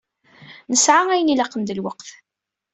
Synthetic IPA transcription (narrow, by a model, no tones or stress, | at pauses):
nəsʕaæjənilɑqːənd̪əlwəqθ